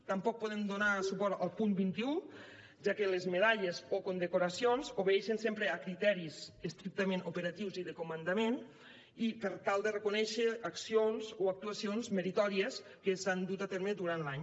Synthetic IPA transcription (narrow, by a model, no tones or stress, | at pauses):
t̪ampɔk̚poðemd̪onasupɔɾt̪alˠpumbint̪iu | ʒakelezmeð̞aʎezokond̪ekuɾasionzoβeeʃensempɾeakɾit̪ɛɾizest̪ɾik̚t̪əmẽnupeɾat̪iwziðekomənd̪amen | ipəɾt̪alˠd̪erəkunɛʃeaksionzoak̚t̪uasionzmeɾit̪ɔɾies | kesand̪ut̪at̪ɛɾmed̪uɾant̪laɲ